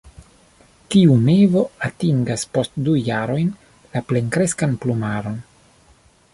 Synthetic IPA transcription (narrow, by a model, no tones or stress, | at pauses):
tiunevo̞atiŋɡaspo̞stdujaɾo̞jn | lapleŋkɾeskanplumaɾo̞n